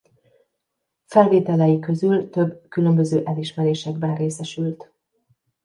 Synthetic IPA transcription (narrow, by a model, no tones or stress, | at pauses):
fɛlveːt̪ɛlɛjikø̞zylt̪øbkylø̞mbø̞zøːʔɛliʃmɛɾeːʃɛɡbɛnreːsɛʃylt̪